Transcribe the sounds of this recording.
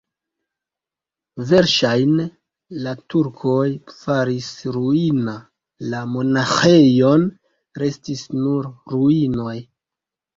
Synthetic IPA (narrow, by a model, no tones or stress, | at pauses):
ve̞ɾʃajne | latuɾkʰojfaɾisɾuina | lamo̞naxe̞jo̞n | ɾe̞stisnuɾɾuino̞j